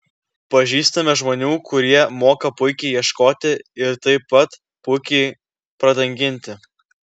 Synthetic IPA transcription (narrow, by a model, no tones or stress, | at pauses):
pɐʒʲiːst̪ɐmʲɛʒmoːnʲuːkʊɾʲiɛmoːkɐpʊɪkʲɛɪjiɛʃkoːt̪ʲɪɪɾt̪ɐɪpːɐt̪ | pʊɪkʲɛɪ | pɾɐd̪ɐŋʲɡʲɪnʲt̪ʲɪ